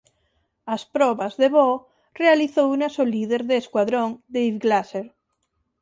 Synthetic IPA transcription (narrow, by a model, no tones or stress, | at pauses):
aspɾɔβazðeβɔ | realiθownasoliðeɾðeːskwaðɾõŋd̪ejβɡlaseɾ